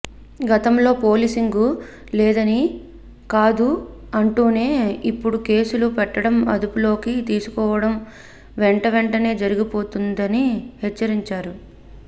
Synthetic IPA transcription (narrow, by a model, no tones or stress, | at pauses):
ɡɐt̪ɐmlo̞ːpo̞ːlisiŋɡu | lɛːd̪ɐni | kaːd̪u | ɐɳʈuːne̞ːipːuɽuke̞ːsulupɛʈːɐɽɐmɐ̰d̪upulo̞ːkit̪iːsu̥kɔːʋɐɽɐm | ʋɛɳʈɐʋɛɳʈɐne̞ːd͡ʒɐɾiɡipo̞ːt̪und̪ɐnihɛt͡ʃːɐɾiɲt͡ʃaːɾu